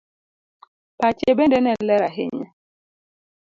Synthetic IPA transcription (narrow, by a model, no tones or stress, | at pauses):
pat͡ʃebɛndɛnɛlɛɾaɦḛɲɛ̰